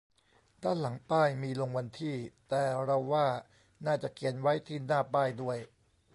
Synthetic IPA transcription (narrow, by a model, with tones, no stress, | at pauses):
d̪aː˥˩nla˩˦ŋpaː˥˩jmiː˧lo˧ŋwa˧nt̪ʰiː˥˩t̪ɛː˨˩ɾa˧wːaː˥˩ | naː˥˩t͡ɕa˨˩ki˨˩ənwa˦˥jt̪ʰiː˥˩naː˥˩paː˥˩jdu˥˩əj